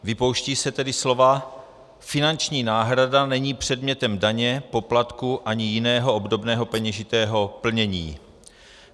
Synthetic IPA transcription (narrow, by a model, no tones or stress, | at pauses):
vɪpo̞wʃciːsɛt̪ɛdɪslo̞va | fɪnant͡ʃɲiːnaːɦɾadanɛɲiːpr̝̥ɛdmɲɛt̪ɛmdaɲɛpo̞plat̪kuʔaɲɪjɪnɛːɦoʔobdo̞bnɛːɦo̞pɛɲɛʒɪt̪ɛːɦo̞pl̩ɲɛɲḭː